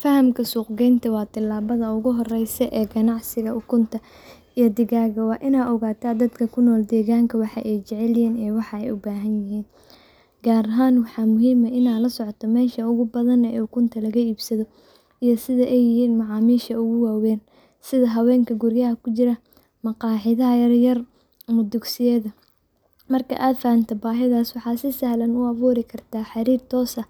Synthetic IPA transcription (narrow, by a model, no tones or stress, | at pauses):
fɐhɐmkʰɐsuːqɡɛjnt̪ʰɐwɑːt̪ʰɪlːaːβɐðɐʊɣʊɦɔrɛjsɛʔɛːɡɐnɑʕsɪɣɐʊkʰʊnt̪ʰɐ | ʔijɔd̪ɪɣaːɣɐwɑːʔɪnaːɔɣaːt̪ʰaːd̪ɐd̪kʰɐkʰʊnɔːld̪ɛːɣaːŋkʰɐwɑħɑ̰ʔɛjt͡ʃɛʕɛljaːnɛːwɑħɑɛjʊbaːɦɐnjɪɦiːn | ɡaːɾɐɦaːnwɑħɑːmʊɦiːmɐʔɪnaːlɐsɔʕɔt̪ʰɔmɛːʃɐʊɣʊbɐðɐnɛːʊkʰʊnt̪ʰɐlɐɣɐiːbsɐðɔ | ijɞsɪðɐʔɛjɪɦhiːnmɑʕɑːmiːʃɐʊɣʊwaːwɛːn | sɪðɐɦɐwɛːŋkʰɐɡʊrjɐɦɐkʰʊt͡ʃɪɾɐ | mɑqɑːħɪðɐɦɐjɐrjɐr | mʊd̪ʊɡsɪjɛðɐ | mɐrkʰɐ̰ʔaːd̪fɐhɐnt̪ʰɐbaːɦɪðaːswɑħɑːsɪsɐhlɐnʊɐβuːɾɪkʰɐrt̪ʰaːħɑɾiːrt̪ʰɔːsɐ